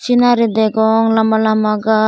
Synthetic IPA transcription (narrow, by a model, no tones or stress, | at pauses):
t͡ʃinaɾid̪ɛɡɔŋlamalamaɡa